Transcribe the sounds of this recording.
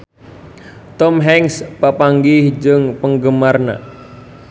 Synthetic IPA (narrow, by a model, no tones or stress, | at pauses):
t̪ɔmɦɛŋspapaŋɡɪhd͡ʒəŋpəŋɡəmarna̰